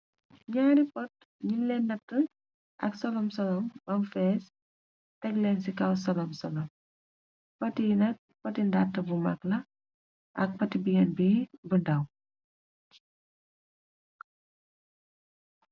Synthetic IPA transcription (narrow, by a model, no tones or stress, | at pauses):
ɲaːɾipɔt̚ | ɲilɛnːɐtːə | ʔɐ̰ksɔlɔmsɔlɔmbɐmfɛːs | tɛklɛnsikɐwsɔlɔmsɔlɔm | pɐtinɐk̚pɐtindatːɐbumaklɐ | ʔɐk̚pɐtibiŋɛnbibəndɐw